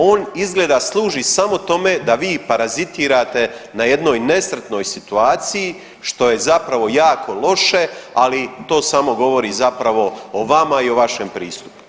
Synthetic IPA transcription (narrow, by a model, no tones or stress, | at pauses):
o̞ːnizɡleːd̪aslˠuːʒisamo̞t̪o̞me̞d̪aʋiːpaɾazit̪iːɾaːt̪e̞naje̞d̪no̞ːjne̞sɾet̪no̞ːjsit̪uaːt̪siji | ʃt̪o̞je̞zapɾaʋo̞jaːkʰo̞lˠo̞ʃe̞alit̪o̞ːsamo̞ɡo̞ʋo̞ɾizapɾaʋo̞oʋamaioʋaʃe̞mpɾiːst̪u̥pu̥